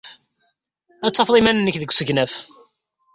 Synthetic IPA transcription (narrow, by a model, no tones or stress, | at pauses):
æt͡sːɑfðˤimænənːəçðəɡʷsəʝnæf